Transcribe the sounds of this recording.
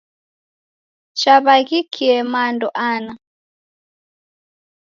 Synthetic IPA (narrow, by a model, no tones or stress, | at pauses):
t͡ʃaβaɣikʰiɛmandɔʔana